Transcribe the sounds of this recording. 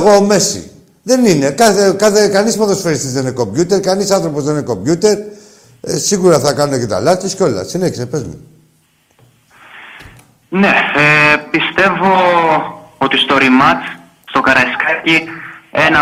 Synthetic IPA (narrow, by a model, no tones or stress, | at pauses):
ɣoːme̞sḭ | ðe̞nine̞kɐθekɐθekɐnispoðosfeɾist̪izðeneko̞mbʝut̪eɾkɐnisɐnθɾo̞pozðeneko̞mbʝut̪e̞ɾ | siɣuɾɐθɐkɐnunecet̪ɐ̰lɐt̪oscʲo̞lɐ̰sineçisepezmḛ | ne | pist̪e̞vo | ot̪ist̪oɾimɐt͡s | st̪o̞kɐɾɐskɐcienɐ